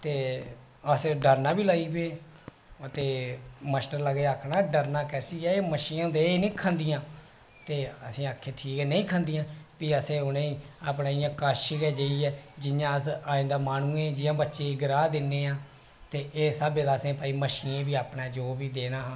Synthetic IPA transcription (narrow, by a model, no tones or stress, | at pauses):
t̪eː | əsɖəɾnaːbiːlaːiːbeː | ət̪eːməsʈəɾləɡeːaːkʰnaːɖəɾnaːkɛːsiːɛːeːməʃiːnãːd̪eːnĩːkʰãnd̪ijãː | t̪eːəsĩːaːkʰːeːʈʰiːkɛːnə̃ĩːkʰãːnd̪ijãːpiːəsẽːʊnẽːiːaːpnaːɪjãːkaːʃɪkɛːd͡ʒəiːɛːd͡ʒɪjãːəsaːɪ̃nd̪aːmaːnũːẽːd͡ʒɪjãːbətːʃẽːɡɪɾaːd̪ɪnːẽːãː | t̪eːʔeːsaːbeːd̪aːsẽːpaːiːməʃiːnẽːbiːaːpnaːd͡ʒoːbiːd̪eːnaːɦãː